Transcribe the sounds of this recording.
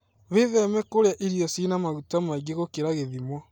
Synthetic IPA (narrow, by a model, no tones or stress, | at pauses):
βeðɛmɛkoɾeaʔiɾijɔsinamaɣutamaiɡeɣokeɾaɣeðimwɔ